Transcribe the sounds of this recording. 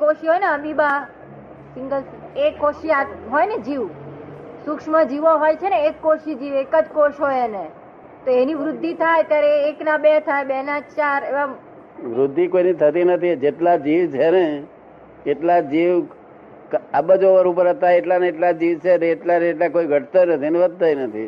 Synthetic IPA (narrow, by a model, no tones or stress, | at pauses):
koʃiɦojneəmiba | sɪŋɡəl | ekːoʃiaɦojned͡ʒiʋ | sʊkʂmãd͡ʒiʋoɦojt͡ʃʰeneekːoʃid͡ʒiʋekəd͡ʒkoʃɦoene | t̪oeniʋɾʊd̪ʱːit̪ʰajt̪jaɾeːknabeɦt̪ʰajbɛɦnad͡ʒt͡ʃaɾeʋa | ʋɾʊd̪ʱːikoinit̪ʰət̪inət̪ʰid͡ʒeʈlad͡ʒiʋt͡ʃʰeneː | ʈlad͡ʒiʋ | kabəd͡ʒoʋəɾupəɾət̪aeʈlaneeʈlad͡ʒiʋt͡ʃʰeneːʈlaneːʈlakoiɡʱəʈt̪onət̪ʰineʋəd̪̚t̪ʰainət̪ʰi